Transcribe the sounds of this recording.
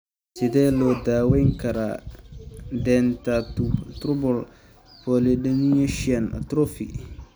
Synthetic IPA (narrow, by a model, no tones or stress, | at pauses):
sɪðɛːlɔd̪aːwɛjŋkʰɐɾa̰ | dɛːnt̪att̪ɾʊbɔl | pʰɔlɛdɛniɛʃian̰t̪ɾɔfḭ